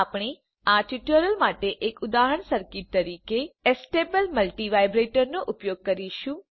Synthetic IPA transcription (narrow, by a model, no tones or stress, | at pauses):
apɽ̃e | aɾʈiʈəɾəlmaʈeʔekʊd̪aɦəɳsəɾkit̪ːəɾikeesʈebəlməlʈiʋajbɾeʈəɾnoʔʊpjoɡ̚kəɾiʃũ